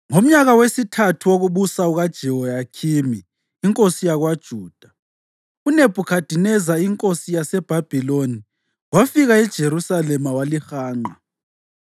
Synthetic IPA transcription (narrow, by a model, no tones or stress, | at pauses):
ŋom̩ɲaɣawesitʰatʰuwoɣuβusauɣad̥ʒ̥ʱɛwɔjakʰimiː | ŋkʼosijaɣwad̥ʒ̥ʱuːd̥ʱa | uneb̥ʱukʰad̥ʱinɛzaiŋkʼosijasɛb̥ʱab̥ʱiloni | wafiɣaɛd̥ʒ̥ʱeɾusalɛmawalixaːŋ͡ǃa